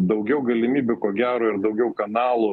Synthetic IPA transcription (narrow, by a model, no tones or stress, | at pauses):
d̪ɐʊɡʲɛʊɡɐlʲɪmʲiːbʲʊkoːɡʲæːɾoːɪɾd̪ɐʊɡʲɛʊkɐnɑːlˠu